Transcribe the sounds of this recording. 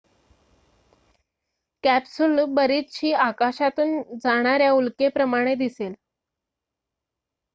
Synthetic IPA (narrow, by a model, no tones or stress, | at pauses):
kæpsulbəɾit̪ɕiːakaɕat̪uːnd͡zaɽ̃aɾjaulkepɾəmaɽ̃ed̪isel